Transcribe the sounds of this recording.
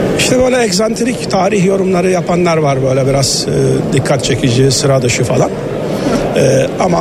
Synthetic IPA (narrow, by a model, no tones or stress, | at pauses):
iʃt̪ʰɛbøjlʲɛɛɡzant̪ʰeɾict̪ʰaːɾiçjo̞ɾumlˠaɾɯjapʰanlˠaɾvaɾbø̞ːjlʲɛbiɾaz̥ɯːd̪ikʰːat̪t͡ʃʰecʰid͡ʒisɯɾad̪ɯʃɯfalˠan | ɛːama